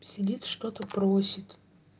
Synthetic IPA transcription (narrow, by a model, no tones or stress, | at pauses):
sʲɪdʲit̪ʂt̪ot̪əpɾosʲɪt̪